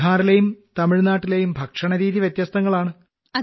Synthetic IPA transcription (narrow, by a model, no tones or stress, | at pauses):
aːɾilejumt̪ɐmiɻnaːʈːilejumbʱɐkʂɐɳɐɾiːðiʋjɐt̪jɐst̪ɐŋːɐɭaːɳɨ | ɐ